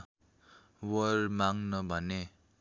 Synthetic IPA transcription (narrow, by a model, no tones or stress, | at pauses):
wʌrmaŋnʌbʱʌne